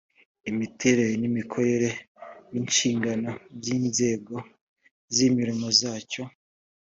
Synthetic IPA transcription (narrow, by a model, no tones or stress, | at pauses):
imitʰe̞ɾe̞ɾenimikʰo̞ɾe̞ɾe̞ | ninʃiːŋɡano̞ɾjiːnze̞ːɡo̞ | zimiɾimo̞zaːco̞